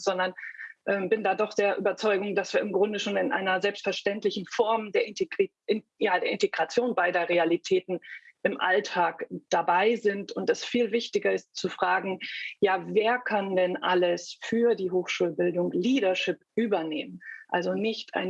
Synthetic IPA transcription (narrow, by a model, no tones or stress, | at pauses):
z̥ɔndɐnʔɛːmbɪndaːdɔχd̥eːɐʔyːbɐt͡sɔʏɡʊŋdasv̥iːɐɪmɡʁʊndəʃoːnɪnʔa̰ɪnɐzɛlpstfɛɐʃtɛntlɪçn̩fɔɐmdeːɐ̥i | ɪjaːdeːɐɪnteɡʁat͡sjoːnbaɪdeɐʁealitʰɛːtn̩ʔɪmʔa̰ltʰaːkd̥abaɪzɪntʊntɛsfiːlvɪçtɪɡɐɪstt͡sufʁ̥aːɡŋ̩jaːveːɐkʰandɛnʔaləsfyːɐdiːɦoːxʃuːlbɪldʊŋliːɾɐʃɪpʔyːbɐneːmənʔalzonɪçtʔa̰ɪn